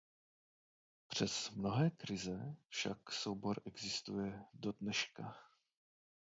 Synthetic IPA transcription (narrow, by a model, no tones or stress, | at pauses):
pr̝̥ɛsmno̞ɦɛːkɾɪzɛfʃakso̞wbo̞ɾʔɛɡzɪst̪ujɛdo̞dnɛʃka